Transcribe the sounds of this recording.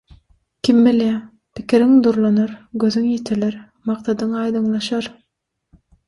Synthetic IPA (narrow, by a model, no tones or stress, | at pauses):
kʰʲimbiljæ | pi̥kiɾiŋd̪uɾlˠɑnɑɾɡøðyŋjet̪ʰeleɾ | mɑqt̪ɑd̪ɯŋɑjd̪ɯŋlˠɑʃɑɾ